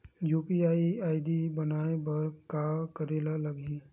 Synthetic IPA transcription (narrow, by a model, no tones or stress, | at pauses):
juːpiaːiaːɪɖibənaːebɐɾkakəɾeːlaləɡe